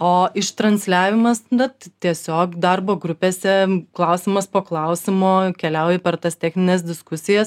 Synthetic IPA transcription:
oːɪʃt̪ɾɐnʲsʲlʲæːʋʲɪmɐsd̪ɐt̪t̪ʲiɛsʲoːkd̪ɐrboːɡɾʊpʲeːsʲɛklˠɐʊsʲɪmɐspoːklˠɐʊsʲɪmoːkʲɛlʲɛʊjɛpʲɛrt̪ɐst̪ʲæːxʲnʲɪnʲeːsd̪ʲɪskʊsʲɪjɛs

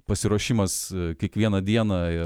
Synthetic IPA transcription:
pɐsʲɪɾuɔʃʲimɐskʲiɛkʋʲiɛnɐd̪ʲiɛnɐɪ

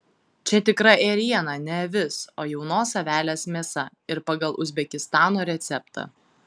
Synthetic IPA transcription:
t͡ʃʲɛt̪ʲɪkɾɐʔeɾʲiɛnɑnʲɛʋʲɪsoːjɛʊnoːsɐʋʲæːlʲeːsmʲeːsɐ | ɪɾpɑɡɐlˠʔʊzʲbʲɛkʲɪst̪ɑːnoːɾʲɛt̪sʲɛpt̪ɑ̰ː

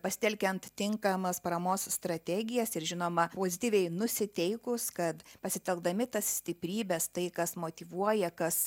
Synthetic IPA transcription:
pɐsʲɪ̥t̪ɛlʲkʲɛnt̪tʲɪŋkɐmɐspɐɾɐmoːsst̪ɾɐt̪ʲɛɡʲɪjɛsɪɾʒʲɪnoːmɐpoːzʲɪt̪ʲiːʋʲɛɪnʊsʲɪt̪ʲɛɪkʊskɐt̪pɐsʲɪt̪ʲɛlˠɡ̚d̪ɐmʲɪt̪ɐssʲt̪ʲɪpʲɾʲiːbʲɛst̪ɐɪkɐsmoːt̪ʲiʋuɔjɛkɐs

